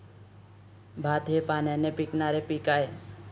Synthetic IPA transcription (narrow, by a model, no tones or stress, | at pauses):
bʱaːt̪epaːnɛnepiknaːɾepikaːe